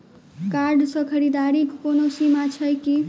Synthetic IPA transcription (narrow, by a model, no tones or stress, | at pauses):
kaɾɖsə̃kʰəɾid̪aɾikːonosimat͡ʃʰəjki